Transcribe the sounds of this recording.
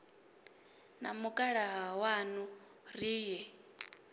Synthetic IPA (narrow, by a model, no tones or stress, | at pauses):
namukʼaɺaɦawanu | riːjɛ